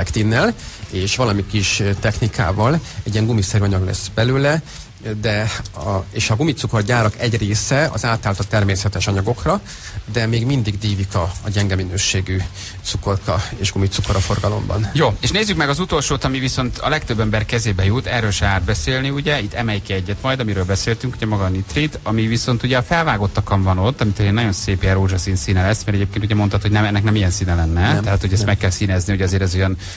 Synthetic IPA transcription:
ɛkt̪inːɛleːʃʋɒlɒmikiʃt̪ɛxnikʰa̰ːvɒlɛɟiɛŋɡumisɛɾyɒɲɒɡlɛ̰sbɛløːlɛ | d̪ɛɒeːʃɒɡumit̪suko̞rɟaːɾɒkɛɟreːsɛɒ̰zaːt̪aːlt̪ɒt̪ːɛrmeːsɛt̪ɛʃɒɲɒɡo̞krɒ | d̪ɛmeːɡmind̪iɡd̪iːvikɒːɟɛŋɡɛminøːʃeːɡy | t̪suko̞rkɒeːʒɡumit̪sukoɾɒfo̞rɡɒlo̞̰mbɒ̰njoːeːʃneːzːykmɛɡɒzut̪o̞lʃoːt̪ɒmiviso̞nt̪ʰɒ̰lɛkt̪øbːɛmbɛrkɛzeːbɛjut̪ɛrːøːlʃɛaːrd̪̚bɛseːlniuɟɛit̪ʰːɛmɛjkiɛɟːɛt̪mɒjd̪ɒmiɾøːlbɛseːlt̪yŋkuɟɛmɒɡɒnit̪rid̪ɒmiviso̞nt̪uɟɛɒfɛlvaːɡo̞t̪ːɒkɒɱvɒno̞t̪ːɒmit̪oːleːnːɒɟo̞nseːpjɛɾoːʒɒsiːnsiːnɛlɛsːmɛɾɛɟeːp̚keːnt̪uɟɛmo̞nɒt̪ho̞ɟnɛmɛnːɛknɛmijɛnsiːnɛlɛnːɛt̪ɛɦaːt̪ho̞ɟɛst̪mɛkːɛlsiːnɛzniho̞ɟɒzeːɾɛzojɒn

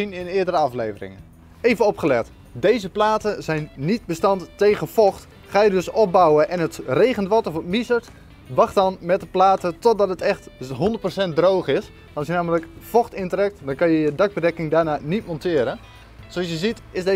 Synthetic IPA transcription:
inɪnɪːədəɾəɑfleːvərɪ̰ŋə | ejvənɔpχəlɛt | dejzəplaːtəzɛjnːit̚bəstɑntːeːɣəfɔxt | χaːjədøsɔp̚bawəʔɛnətreːɣənʋɔtɔfətmisəɹt | ʋɑχtɔnmɛt̚dəplaːtətɔt̚dɔtətɛxtɦondərt̚prosɛnt̚drowxɪs | ɑsjənaːmələkfɔxtɪndərɛk̚tdɔnkɑnjəjədɑk̚bədɛkɪŋdaːrnaːnitmɔntɪːɾə | soɑsjəzitɪze

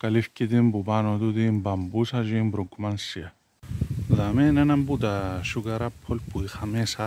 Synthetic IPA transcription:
kalifkʲit̪imbubanot̪ut̪imbambusad͡ʒimbɾoɡmansia | ðamenenambut̪aʃuɡaɾapʰːolpuixamesa

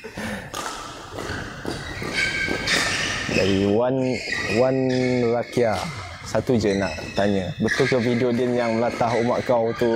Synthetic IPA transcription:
daɾiwanwanrakia | sat̪ud͡ʒəna̰ʔt̪aɲəbət̪ʊlkəvidiodiənjaŋməlat̪aɦumaʔkawt̪u

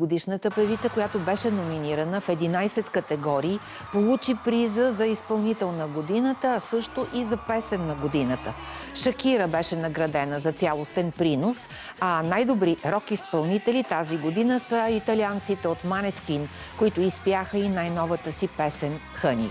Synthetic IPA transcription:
od̪iʃnət̪əpɛvit̪səkojat̪obɛʃɛnominiɾənəfɛd̪inajsɛt̪kət̪ɛɡɔɾiː | polˠut͡ʃipɾizəzɐispɐlˠnit̪ɛlˠnəɡod̪inət̪əːsɤʃt̪oʔizɐpɛsɛnːɐɡod̪inət̪əʃɐkʲiɾəbɛʃɛnɐɡɾɐd̪ɛnəzɐt̪sʲalˠost̪ɛnpɾinos | anajd̪obɾiɾɔkispɐlˠnit̪ɛlit̪aziɡod̪inəsəit̪ɐliant̪sit̪ɛot̪manɛskin | koit̪ʊispjaxəinajnɔvət̪əsipɛsɛn | xɤnḭ

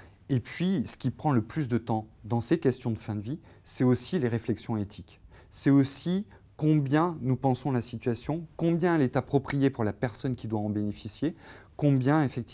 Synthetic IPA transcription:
epɥisə̥kʲipχɑ̃ləplys̬d̪ət̪ɑ̃d̪ɑ̃sekʲɛst̪jɔ̃d̪əfɛ̃d̪əvisɛosileʁeflɛksjɔ̃et̪ʰik | sɛosi | kɔ̃bjɛ̃nupɑ̃sɔ̃lasit̪ɥasjɔ̃kɔ̃bjɛ̃ɛlɛt̪apχɔpχijepuʁlapɛʁsɔnkʲid̪waɑ̃benefisjekɔ̃bjɛ̃efɛk̚t̪i

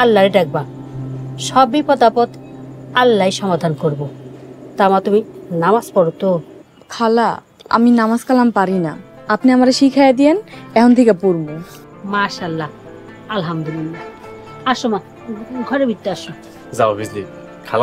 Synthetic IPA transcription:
alːaɾeɖɛk̚ba | ʃɔbipɔd̪apot̪alːajʃɔmad̪ʱankoɾbot̪amat̪uminamaspɔɾot̪o | kʰala | a̰minamaskalampaɾina̰apniamaɾeʃikʰajed̪ienɛkʰont̪ʰikapoɾbo | maʃalːa | alɦamd̪ulilːa | aʃoma | ɡʱɔɾebʱit̪ːoaʃo | zaobizdi | kʰal

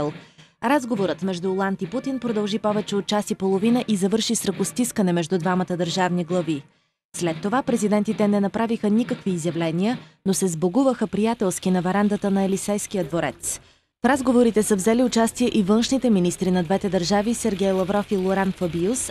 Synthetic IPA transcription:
lˠ | ɾazɡovoɾət̪mɛʒd̪uːlˠant̪iput̪inpɾod̪ɐlˠʒipɔvɛt͡ʃɛot̪̚t͡ʃasipolˠovinəʔizɐvɤɾʃisɾəkʊst̪iskənɛmɛʒd̪ud̪vamət̪əd̪əɾʒavniɡlˠɐvi | slɛt̪ːovapɾɛzid̪ɛnt̪it̪ɛnɛnɐpɾavixənikəkviːzjɐvlɛniənosɛzboɡuvəxəpɾijat̪ɛlˠskinɐvɛɾand̪ət̪ənɐɛlisɛjsk̟ijəd̪voɾɛ̰t̪s | fɾazɡovoɾit̪ɛsəvzɛliʊt͡ʃast̪iɛʔivɤnʃnit̪ɛminist̪ɾinɐd̪vɛt̪ɛd̪əɾʒavisɛɾɡʲɛjlˠɐvɾɔfilˠoɾanfɐbius

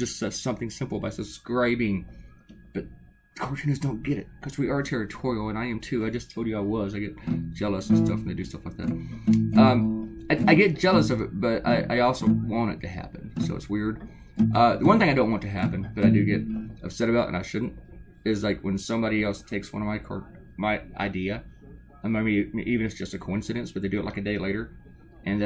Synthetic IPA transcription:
d̥ʒ̥ʌstsʌsʌ̃mθɪ̃ŋsɪ̃mpl̩ˠbaɪsɨb̥skɹaɪbɪ̃ŋ | b̥ʌt̚ | kʰot͡ʃʰɨ̃nɨzdõʊ̃nɡ̥ɛɾɨ̰t̚kʰʌzwiə˞ɨtʰɛɹɨtʰɔɹil̩ˠə̃naɪɨ̃mtʰʉaɪd͡ʒʌstʰoʊlˠd͡ʒɨaɪwʌzaɪɡɛt̚d̥ʒ̥ɛlˠəsn̩stʌfw̃n̩ðeɪdɨstʌflaɪk̚ðæ̰t̚ʔʌ̃maɪaɪɡɛt̚d̥ʒ̥ɛlˠəsʌvɨt̚b̥ʌɾa̰ɪʔa̰ɪɔlˠsoʊwɑ̃ñɨ̰tʰɨhæ̰pɨ̃nsoʊɨ̰tswɪɹd̥̚ | ʔʌðəwʌ̃nθɪ̃ŋaɪdõʊ̃nʔwɑ̃ntʰɨɦæpɨ̃n̩b̥ʌɾaɪdɨɡɛɾʌ̥sɛɾɨbaʊɾɨ̰̃na̰ɪʃʊdⁿn̩t̚ | ɪzlaɪkwə̃nsʌ̃mbɑɾiɛlˠstʰeɪkswʌ̰̃nʌvmaɪkʰɔ̰˞ | maɪʔa̰ɪdiɨ | ʌmamiʔivɨ̃nɨtsd̥ʒ̥ʌstɨkʰoʊɪ̃nsɨɾɨ̃nsb̥ʌt̪̚ðedɨɨʔˡlaɪkɨdeɪleɪɾə˞ | ʔɨ̃nð

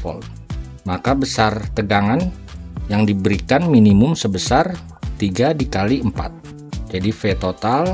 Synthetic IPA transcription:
ɔ̰l | makabəsart̪əɡaŋan | jaŋdibəɾikanminimʊmsəbəsar | t̪iɡadikaliəmpa̰t̪̚ | d͡ʒadifet̪ot̪al

